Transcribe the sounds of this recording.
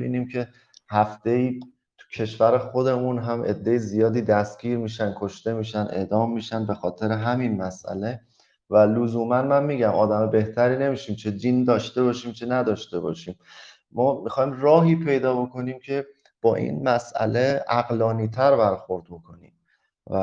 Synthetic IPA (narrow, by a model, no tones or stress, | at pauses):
bḭːniːmcʰe̞ | hæft̪ejiː | t̪ʰu̥cʰe̞ʃvæɾexo̞d̪e̞munɦæmʔe̞̰d̪ːe̞jezijɒːd̪iːd̪æst̪ɡiːɾmiːʃæn̚kʰo̞ʃt̪e̞miːʃæne̞̰d̪ɒːmːiːʃænbe̞xɒːt̪ʰe̞ɾeɦæminmæsʔæ̰le̞ | vælozuːmænmænmiːɟæmʔɒːd̪æmɒbe̞ht̪ʰæɾiːne̞miːʃiːmt͡ʃʰed̪iːnd̪ɒːʃt̪e̞βɒːʃiːmt͡ʃʰenæd̪ɒːʃt̪e̞bɒ̰ːʃiːm | mɒːmixɒːjmrɒːɦiːpʰe̞jd̪ɒːbo̞ko̞niːmcʰe̞ | b̥ɒːʔḭːnmæsʔæ̰le̞æɣlɒːniːt̪ʰæɾbæɾxo̞ɾd̪̚bokʰo̞nḭːm | væ